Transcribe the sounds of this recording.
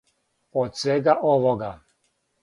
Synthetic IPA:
ɔt̪sɛɡaʔɔvɔɡa

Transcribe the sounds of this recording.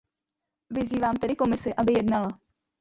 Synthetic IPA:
vɪziːvaːmt̪ɛdɪko̞mɪsɪʔabɪjɛdnala

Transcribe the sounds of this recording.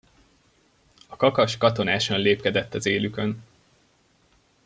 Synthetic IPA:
ɒkɒkɒʃkɒt̪o̞naːʃɒnleːpkɛd̪ɛt̪ːɒzeːlykø̞n

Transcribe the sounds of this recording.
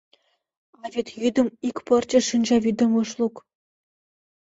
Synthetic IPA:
ɑvʲet̪jyd̪ɤ̆mikʲpɤ̆rt͡ɕɘ̆ʂinʲd͡ʑɑʋʲid̪ɤ̆mɤ̆ʂlˠuk

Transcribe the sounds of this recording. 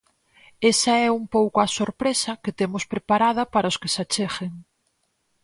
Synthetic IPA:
esɐɛuŋpowkʊɐsoɾpɾesɐket̪emʊspɾepaɾað̞ɐpaɾɐʊskɪsat͡ʃexeŋ

